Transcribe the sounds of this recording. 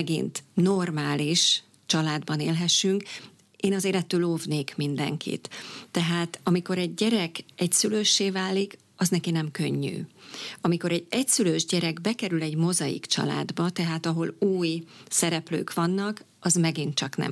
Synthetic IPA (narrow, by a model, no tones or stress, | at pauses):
ɛɡḭnt̪no̞rmaːliʃ | t͡ʃɒlaːd̪bɒneːlɦɛʃyŋk | eːnɒzeːɾɛt̪ːøːloːvneːkmind̪ɛ̰ŋkʰḭt̪ːɛɦaːt̪ɒmiko̞ɾɛɟɟɛɾɛkɛcsyløːʃːeːvaːlik | ɒznɛkinɛmkø̞̰ɲːy̰ɒmiko̞ɾɛɟɛcsyløːʒɟɛɾɛɡbɛkɛɾylɛɟmo̞zɒjḭkt͡ʃɒ̰la̰ːd̪bɒt̪ɛɦaːt̪ɒɦo̞luːjsɛɾɛplø̰ːkʋɒnːɒk | ɒzmɛɡint̪t͡ʃɒknɛ̰m